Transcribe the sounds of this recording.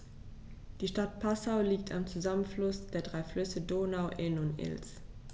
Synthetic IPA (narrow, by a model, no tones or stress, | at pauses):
d̥iːʃtat̚pʰasaʊliːk̚tʰa̰mt͡suzamənflʊsd̥eːɐdʁaɪflʏsədoːnaʊʔɪnʊntɪ̰ls